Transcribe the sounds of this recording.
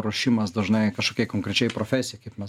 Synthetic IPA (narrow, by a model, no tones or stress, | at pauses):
ɾoːʃʲiːmɐsd̪ɐʊʒnɐɪkɐʃkoːkʲɛɪkoːŋkɾʲɛt͡ʃʲɛɪpɾoːfʲæsʲɪjɛɪkɐɪpmʲɛs